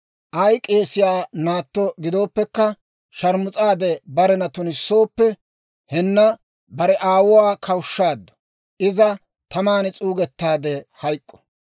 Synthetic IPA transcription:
ʔɐjkʼe̞ːsɪjaːnaːt̪ːɔɡɪd̪o̞ːpːɛkːɐ | ʃɐɾmʊt͡sʼaːd̪ɛbɐɾɛnɐt̪ʊnɪsːo̞ːpːɛ | hɛnːɐ | bɐɾɛʔaːwʊwaːkʰɐwʊʃːaːd̪ːɔ̥ | ʔɪzɐ | t̪ʰɐmaːnt͡sʼuːɡɛt̪ːaːd̪ɛhɐjkʼːɔ̥

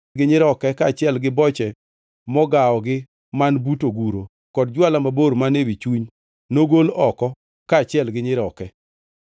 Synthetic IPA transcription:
ɡɪɲɪɾɔkɛkaːt͡ʃɪɛlɡɪbɔt͡ʃɛ | mɔɡaɔɡɪ | manbutoɡuɾo | kɔdd͡ʒwalamaboɾmanewit͡ʃuɲ | noɡolɔkɔ | kaːt͡ʃɪɛlɡɪɲɪɾɔkɛ

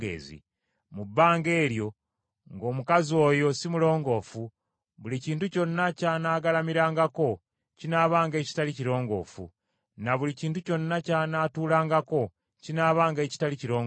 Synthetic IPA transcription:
ḛːzḭ | mubːaːŋɡe̞ːɾjo̞ | ŋɡo̞ːmukazio̞ːjo̞simulo̞ːŋɡo̞ːfu | βuliciːntuco̞nːacaːnaːɡalamiɾaːŋɡako̞ | cinaːβaːŋɡe̞ːci̥taliciɾo̞ːŋɡo̞̰ːfṵ | naβuliciːntuco̞nːacaːnaːtuːlaːŋɡako̞ | cinaːβaːŋɡe̞ːci̥taliciɾo̞ːŋɡ

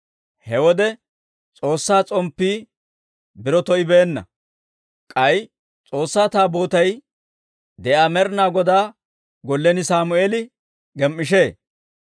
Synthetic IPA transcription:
hɛwɔd̪ɛ | t͡sʼo̞ːsːaːt͡sʼɔmpːiː | bɪɾɔt̪ɔʔɪbeːnːɐ̰ | kʼɐj | t͡sʼo̞ːsːaːt̪aːbo̞ːt̪ɐj | d̪ɛʔaːmɛɾnaːɡɔd̪aː | ɡɔlːɛnɪsaːmʊeːlɪ | ɡɛmːɪʃ̬e̞ː

